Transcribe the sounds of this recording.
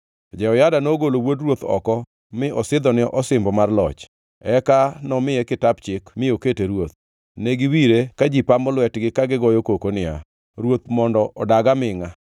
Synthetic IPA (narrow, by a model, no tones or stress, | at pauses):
d͡ʒɛɔjadanoɡolowodrwot̪ɔ̰kɔ | mɪɔsɪd̪ɔnɪʔɔsɪmbɔmarlɔt͡ʃ | ɛkanɔmɪjɛkɪtap̚t͡ʃɪkmɪoketeɾwot̪̚ | neɡɪwiɾekad͡ʒipambɔlwɛtɡɪkaɡɪɡɔjokokonɪa̰ | ɾwot̪mɔndɔʔɔdaɡamɪŋa